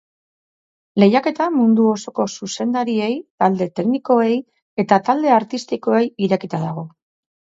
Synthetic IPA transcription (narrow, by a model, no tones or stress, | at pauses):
le̞jake̞t̪amund̪uo̞so̞ko̞suse̞nd̪aɾie̞jt̪ald̪e̞t̪e̞kniko̞e̞j | e̞t̪at̪ald̪e̞aɾt̪ist̪iko̞e̞jiɾe̞kit̪aðaɣ̞o̞